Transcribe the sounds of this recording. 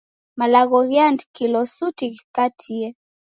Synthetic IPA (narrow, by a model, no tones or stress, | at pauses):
malaɣɔɣjandkilɔsutikikatʰiɛ